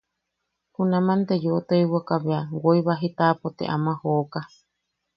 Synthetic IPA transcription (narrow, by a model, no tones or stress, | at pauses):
punãmãnt̪ejot̪oiwakaβeawoiβaɦit̪apot̪ḛʔamãhoːka